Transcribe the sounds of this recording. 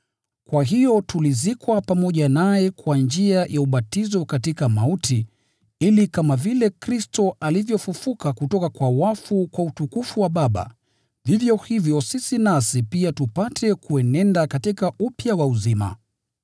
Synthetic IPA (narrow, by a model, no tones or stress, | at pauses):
kwaɦijɔtulizikwapamɔʄanajɛkwand͡ʒiajʔauɓatizɔkatikamautʰi | ilikamavilɛkɾistɔʔalivjɔfufukakutɔkakwawafukwautukufuwaɓaɓa̰ | vivjɔhivjɔsisinasipiatupatʰɛkuɛnɛndakatikaupjawauzima̰